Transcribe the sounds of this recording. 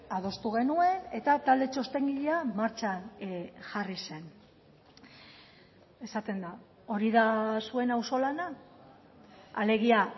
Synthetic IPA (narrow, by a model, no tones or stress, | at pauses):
að̞o̞st̪uɣ̞e̞nue̞ne̞t̪at̪ald̪e̞t͡ʃo̞st̪e̞ŋɡiʎeamaɾt͡ʃanʝarise̞n | e̞sat̪e̞nd̪a | o̞ɾiðasue̞nawso̞lana | ale̞ɣ̞ia